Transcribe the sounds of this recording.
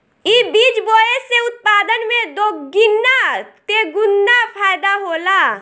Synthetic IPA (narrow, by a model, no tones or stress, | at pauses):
ibiːd͡ʒboːeseʊt̪̚paːd̪ənmẽd̪oːɡɪnːat̪eɡʊnːapʰaːjd̪aɦoːlaː